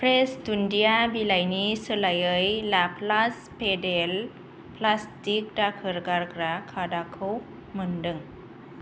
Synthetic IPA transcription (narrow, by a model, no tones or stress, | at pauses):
pʰɾesdundijabilajnisəlajɯjlapʰlas | pedel | plastik̚dakʰɯɾɡaɾkɾakʰadakʰɯw | mɯndɯŋ